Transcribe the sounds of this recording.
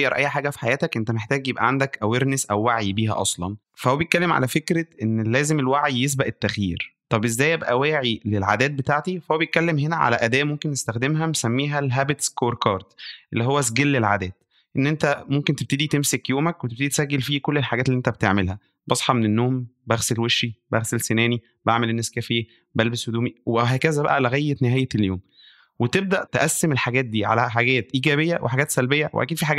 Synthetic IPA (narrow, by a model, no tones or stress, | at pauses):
jːɑɾˤʔæ̰jːħaːɡæfi̥ħajæːt̪ækʔent̪æmeħt̪æːɡjebʔæ̰ʕand̪ækʔæweɾnesʔæwːaʕibiːɦæ̰ʔɑsˤlɑ̰n | fæhwæbjet̪̚kælːemʕa̰læfekɾeʔenːlæːzemelwaʕijes̬bæʔet̪ːæxjiːɾt̪ˤɑbʔezːæːjebʔæwæːʕilelʕa̰d̪æːt̪̚bet̪aʕt̪ifæhowːæbejet̪kælːemɦenæʕa̰læ̰ʔæd̪æːʔmomkenːest̪æxd̪emɦænesæmːiːɦælɦæːbet̪skoːɾkɑːɾˤd̪ʔḛlːihowːæsɡelːelʕa̰d̪æːt̪ | ʔenːʔent̪æmomkent̪eb̚t̪ed̪it̪emsekjoːmækwet̪eb̚t̪ed̪it̪e̥sæɡːelfiːkolːelħaɡæːt̪liʔent̪æbet̪ḛʕmelhæ | bɑsˤħɑmenenːoːmbæɣselweʃːibæɣselsenæːni | baʕmelenːæskæfejː | bælbeswed̪uːmiwɦæːkæzæbæʔæleɣæjːet̪neɦæːjeeljoːm | wet̪eb̚d̪æʔt̪eʔæsːemelħaɡæːt̪̚d̪iːʕa̰læħaɡæːt̪ʔiːɡæːβejːæwʔḛħaɡæːt̪sælbejːæwḛʔæ̰kiːd̪fiːħaɡæ